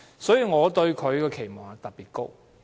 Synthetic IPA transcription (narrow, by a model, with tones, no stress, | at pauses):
sɔː˨˥jiː˨ŋɔː˨˧t̪ɵ˧ɥkʰɵ˨˧ɥkɔː˧kʰe˨˩jmɔː˨˩ŋɐ˨t̪ɐ˨˩piː˨t̚ko˥w